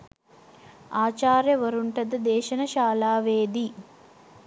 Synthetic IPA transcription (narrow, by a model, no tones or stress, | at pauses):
aːt͡ʃaːɾjɐʋɐɾuɳʈɐd̪ɐd̪ɛːʃɐnɐʃaːlaːʋeːd̪i